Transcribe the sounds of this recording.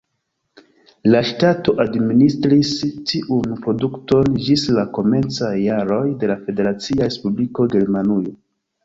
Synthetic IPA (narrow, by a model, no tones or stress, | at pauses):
laʃtato̞ʔadministɾistiʔunpɾo̞dukto̞nd͡ʒislako̞me̞nt͡sajːaɾo̞jde̞lafe̞de̞ɾat͡siaɾespubliko̞ɡe̞ɾmanujo